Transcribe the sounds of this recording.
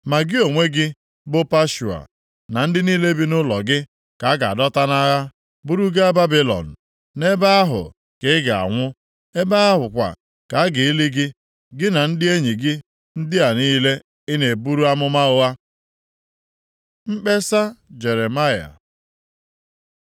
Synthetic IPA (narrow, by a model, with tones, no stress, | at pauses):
ma˨ɡɪ˦o˨ŋʷe˦ɡɪ˦ | bʊ˦pa˦ʃu˨a̰˨ | na˨n̩˦dɪ˦niː˦le˦bi˦nʊ˦lɔ˨ɡɪ˦ | ka˨a˦ɡa˨a˨dɔ˦ta˦na˦ɣa˦ | bu˦ɾu˦ɡa˦ba˦bi˦lɔ̰˨n̩˨ | ne˦ba˦ɦʊ̰˨ | ke˨ɪ˦ɡa˨a̰˨ŋʷʊ˦ | e˦ba˦a˦ɦʊ˨kʷa̰˨ | ka˨a˦ɡɪ˨i˦li˦ɡɪ˦ | ɡɪ˦na˨n̩˦dɪ˦e˦ɲi˨ɡɪ˦ | n̩˦dɪ˦a˨niː˦le˦ | ɪ˦ne˨bu˦ɾu˦a˦mʊ˦ma˦ʊ˦a˦ | mŋ͡m̩˦k͡pe˦sa˦d͡ʒe˨ɾe˨ma˦ja̰˨